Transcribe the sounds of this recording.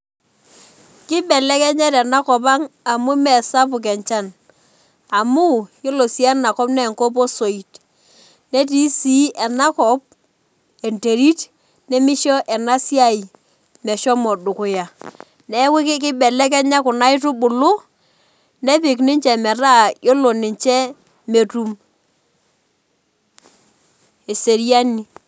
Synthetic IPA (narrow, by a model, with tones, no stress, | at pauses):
kɪ˦ɓɛ˨lɛ˦kɛ˦ɲɛ˦tɛ˨na˦kɔ˨p̬a˦ŋa˨mʊ˦mɛ˨sa˦pʊ˨k̬ɛ˨ɲt͡ʃa˦n | a˨mʊ˦jɪ˦lo˨si˦a˦na˨kɔ˦pnɛ˦˨ŋko˦p̬o˦so˨i˨t | ne˦t̬i˨˦si˦ʔɛ˨na˦kɔ˨˦p̚ | e˨nte˨ɾi˦t | nɛ˦mɪ˦ʃɔ˦ʔɛ˨na˦sja˦i˨ | mɛ˨ʃɔ˦mɔ˨dʊ˨kʊ˨ja˨ | nɛ˦wɪ˦kɪ˦k̬ɪ˦ɓɛ˨lɛ˦k̬ɛ˦ɲa˦kʊ˨na˦ɪ˦tʊ˦ɓʊ˨lʊ˦ | nɛ˦pɪ˨knɪ˦ɲt͡ʃɛ˨mɛ˨ɾa˦˨jo˦lo˨nɪ˨ɲt͡ʃɛ˦ | me˨tu˨m | e˨se˨ɾi˦a˦ni˨